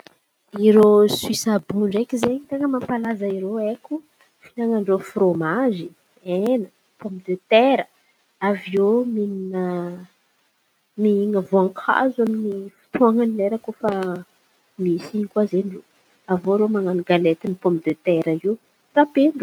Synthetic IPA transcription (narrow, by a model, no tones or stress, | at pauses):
iɾoswisabuɳɖ͡ʐekizeɲit̪aŋəmampalazaiɾoekʲu | finaŋaɳɖ͡ʐofɾomazi | enə | pɔ̃mpd̪øt̪eɾə | aviomininə | miiŋəvoaŋkʰa̰zaminifi̥t̪uaŋanileɾakofa | misiɲikuazenlu | avoɾomaŋaniɡalet̪inipɔmpd̪øt̪eɾəiw | t̪apeɳɖ͡ʐu